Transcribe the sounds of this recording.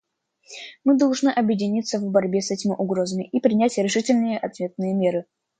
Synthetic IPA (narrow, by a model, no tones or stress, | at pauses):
mɨd̪ɐlˠʐnɨʔɐbjɪdʲɪnʲit̪səvbɐɾʲbʲe̞sɛtʲɪmʲɪʔʊɡɾo̞zəmʲɪʔipɾʲɪnʲætʲɾʲɪʂɨtʲɪlʲnɨjəʔɐt̪vʲe̞t̪̚nɨjəmʲe̞ɾɨ